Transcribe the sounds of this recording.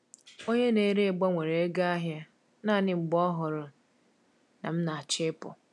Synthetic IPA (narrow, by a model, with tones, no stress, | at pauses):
o˦ɲe˦ne˦ɾe˦˨ɡ͡ba˦ŋʷe˨ɾe˨e˦ɡa˦a˦ɦja˦ | na˦˨nɪ˦˨ŋ͡m̩˨ɡ͡bɔ˦ɦʊ˨ɾʊ˨ | na˨m̩˦na˨a˨t͡ʃɪ˦pʊ̰˨